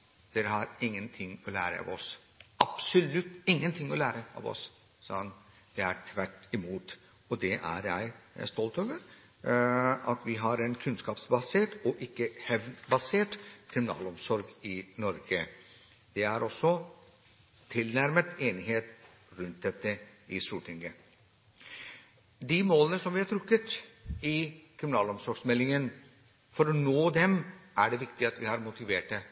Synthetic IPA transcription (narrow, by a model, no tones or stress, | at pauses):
d̪̥ɛɾhɑɾɪŋːənt̪ʰɪŋːɔlæ̰ːɾə̰ɑ̰ʋɔs | ɑb̥sɔlʉt̪ːɪŋːənt̪ʰɪŋːɔlæːɾəɑ̰ːʋɔ̰s | sɔn | d̪̥ɛæɾʈʰʋæʈɪmuːt̪ | ɔd̪ɛʔæ̰ɾjæɪst̪ɔlt̪oːʋəɾ | ɑt̪ʋɪɦɑɾɛnkʰʉnskɑːpsbɑseːʈɔʔɪkːəhɛʋnbɑseːʈkʰɾɪmɪnɑ̰ːlɔmsɔɾɡɪnɔɾɡə | d̪̥ɛæɾɔsːɔ | t̪ʰɪlnæɾmət̪eːnɪheːt̪ | ɾʉnt̪̚d̪ɛt̪ːəɪst̪uːʈʰɪŋɡə | d̪imoːlənəsɔmʋɪhɑʈ̪ʰɾʉkːət̪ɪkʰɾɪmɪnɑːlɔmsɔɾɡsmɛlːɪŋən | fɔɾɔnoːd̪ɛmæɖɛʋɪkt̪ɪɑt̪ʋɪhɑːɾmʊt̪ɪʋeːʈːə